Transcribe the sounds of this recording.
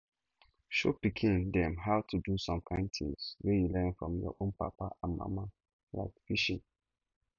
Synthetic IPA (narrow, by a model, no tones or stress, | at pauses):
ʃo̰pikʰĩndɛ̃mɦaʊtʰudusɔ̃mkʰãɪ̃ntʰḭ̃ŋswɛjulɛ̃nfɹɔ̰̃mjɔ̰ʔõnpa̰paãnmã̰ma | la̰ɪkfiʃĩn